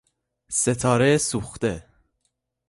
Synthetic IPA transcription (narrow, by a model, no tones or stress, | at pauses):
set̪ʰɑːɾesuxt̪ɛ